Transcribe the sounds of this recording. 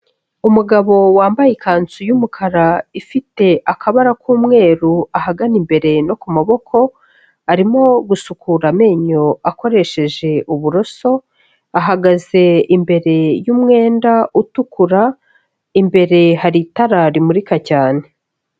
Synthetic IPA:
umuɡaβo̞waːmbajikaːnt͡sujumukʰaɾaifite̞ʔakʰaβaɾakʰuːmŋe̞ːɾuahaɡanimbe̞ɾe̞nokumaβo̞kʰo̞ | aɾimo̞ɡusukʰuɾame̞ːɲo̞ako̞ɾe̞ʃe̞ʒe̞ʔuβuɾo̞so̞ | aɦaɡaze̞imbe̞ɾe̞jumŋe̞ːndautukuɾa | imbe̞ɾe̞haɾitaɾaɾimuɾikacaːne̞

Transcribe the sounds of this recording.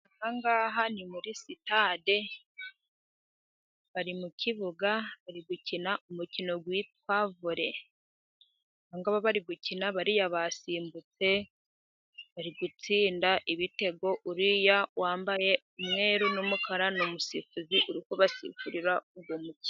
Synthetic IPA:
ahaŋɡaːɦanimuɾisitade̞ | βaɾimuciβuɡaβaɾiɡucinaʔumucino̞ɡwit̚waːvuɾe̞ | haŋɡaβaβaɾiɡucinaβaɾijaβasiːmbut͡se̞ | βaɾiɡut͡siːndaʔiβite̞ɡo̞ʔuɾijawaːmbaje̞ | umŋe̞ːɾunumukaɾanomusifuziʔuɾikoβasḭfuɾiɾauɡwomuci̥

